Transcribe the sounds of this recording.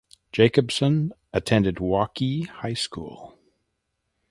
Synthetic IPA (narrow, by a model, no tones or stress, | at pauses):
d̥ʒ̥eɪkɨb̥sə̃n | ɨtʰɛ̃ndɨd̚wɑkihaɪskṵlˠ